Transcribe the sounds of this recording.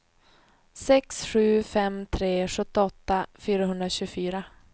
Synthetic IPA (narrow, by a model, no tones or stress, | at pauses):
sɛksɧʉ̟ːfɛmt̪ʰɾeːɧɵt̪ːɪɔt̪ːafyːɾaɦɵnd̪ɾaɕʉːfyːɾa